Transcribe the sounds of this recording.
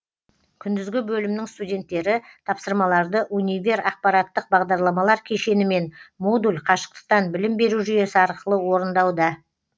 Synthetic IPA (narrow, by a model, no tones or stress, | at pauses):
kʲʰʏnd̪ɪzɡʲɪbɵlɪmnɪŋst̪udʲe̞nt̪ːe̞ɾɪt̪ʰɑpsəɾmɑlˠɑɾd̪əʔunʲivʲe̞ɾɑq̚pɑɾɑt̪ːəq̚bɑʁd̪ɑɾlˠɑmɑlˠɑɾkʲʰe̞ʃe̞nɪme̞nmod̪ulʲqʰɑʃə̥q̚t̪ə̥q̚t̪ɑnbɪlɪmbe̞ɾuʒʏje̞sɪɑɾqəlˠəwo̞ɾənd̪ɑwd̪ɑ